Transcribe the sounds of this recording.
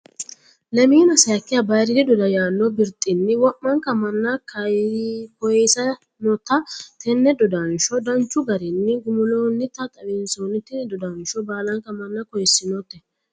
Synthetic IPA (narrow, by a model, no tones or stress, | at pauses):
lɐmiːnɐsɐjɐkːɪjɐbɐjɾɪd̪ɪd̪ɔd̪ɐjaːnːɔbɪɾt̪ʼːɪnːɪwɔʔːɐŋkɐmɐnːɐkʰɐjkɔjɛsɐ | nɔt̪ːɐt̪ʰɛnːɛd̪ɔd̪ɐnʃɔd̪ɐnt͡ʃːʊɡɐɾɪnːɪɡʊmʊloːnːɪt̪ːɐt̪ʼɐwɪnsoːnːɪt̪ːɛnd̪ɔd̪ɐnʃɔbaːlɐŋkɐmɐnːɐkɔjɛsːɪnɔt̪ːɛ